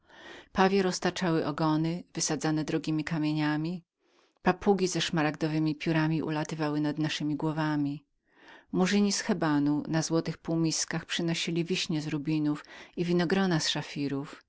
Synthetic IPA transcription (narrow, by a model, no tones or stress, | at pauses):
pavʲjɛɾɔst̪at͡ʂawɘʔɔɡɔnɘvɘsad̪zanɛd̪ɾɔɡʲimʲikamʲjeɲamʲi | papuɡʲizɛʂmaɾaɡd̪ɔvɘmʲipʲjuɾamʲiʔṵlat̪ɘvawɘnad̪naʂɘmʲiɡwɔvamʲi | muʐɘɲisxɛbanunazwɔt̪ɘxpuwmʲiskaxpʂɘnɔɕilʲivʲiɕɲɛzɾubʲinufivʲinɔɡɾɔnasʂafʲiɾuf